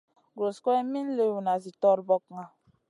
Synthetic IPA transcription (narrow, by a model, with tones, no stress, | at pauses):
ɡɾo˨skɔ˦ɛ˦mi˦n̩˦le˦wu˨na˨zi˨tɔ˦ɾbɔ˦k̚ŋa˨